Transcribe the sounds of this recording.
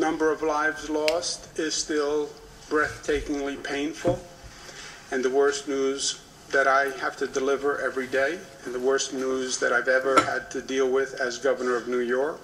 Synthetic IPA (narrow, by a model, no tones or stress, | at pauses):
nʌ̃mbə˞ʌvlaɪvzlɔstɪz̥stɪlˠ | b̥ɹɛθtʰeɪkɪ̃ŋlipʰẽɪ̃nfl̩ˠ | ɨ̃nðɨwɜ˞stⁿnuz | ðɨɾaɪhæftɨdɨlɪvə˞ʔɛvɹideɪɨ̃nðəwɜ˞stnuzðɨɾaɪvɛvə˞ɨ̰d̚tʰɨdilˠwɪðɨzɡʌvə˞nə˞ʌvnʉjɔɹk